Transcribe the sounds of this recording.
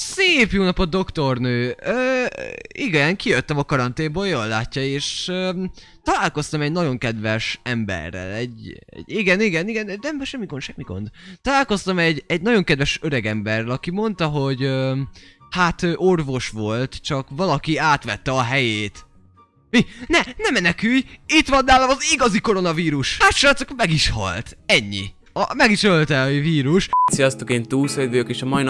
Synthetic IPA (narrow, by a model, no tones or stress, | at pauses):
seːpjoːnɒpod̪o̞kt̪o̞rnøːøː | iɡɒzaːŋkijøt̪ːɛmɒkɒɾɒnt̪eːmbojoːlːaːcːɒeːʃøː | t̪ɒlaːlko̞st̪ɒmɛɟnɒɟo̞ŋkɛd̪ʋɛʃɛmbɛ̰rːɛ̰lɛɟɛ̰ɟiɡɛniɡɛniɡɛnɛnɛmbʃɛmːiɡonʃɛmːiɡo̞̰nd̪t̪ɒlaːlko̞st̪ɒmɛɟːɛɟnɒɟo̞ŋkɛd̪vɛʃøɾɛɡɛmbɛrːɛlɒkimo̞nt̪ɒɦo̞ɟø | hat̪øʔorvo̞ʃʋo̞lt̪t͡ʃɒkʋɒlɒkiaːt̪ʋɛt̪ːɛɒɦɛjeːt̪ | minɛnɛmɛnɛkyjit̪ʋɒnːaːlɒmɒziɡɒziko̞ɾo̞nɒviːɾuʃaʃot̪sokmɛɡiʃhɒ̰lt̪ɛɲːḭ | ɒmɛɡiʃølt̪ɛviːɾuʃt̪sijɒst̪ukeːnt̪uːlsøjvøjokeːʃɒmɒjn